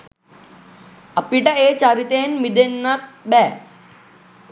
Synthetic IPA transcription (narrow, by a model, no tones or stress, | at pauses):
əpiʈaet͡ɕaɾit̪eːnmid̪enːat̪̚bɛː